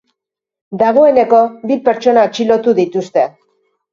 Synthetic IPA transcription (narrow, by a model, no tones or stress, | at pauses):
d̪aɣ̞o̞e̞ne̞ko̞βipe̞ɾt͡ʃo̞naot͡ʃilo̞t̪uðit̪ust̪e̞